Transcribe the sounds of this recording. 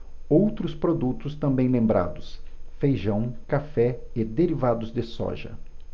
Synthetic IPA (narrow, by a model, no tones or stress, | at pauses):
owt̪ɾʊspɾod̪ut̪ʊst̪ɐ̃mbẽj̃lẽmbɾa̰d̪ʊsfejʒɐ̃w̃kafɛɪd̪eɾivad̪ʊzd̪ɪsɔ̰ʒɐ̰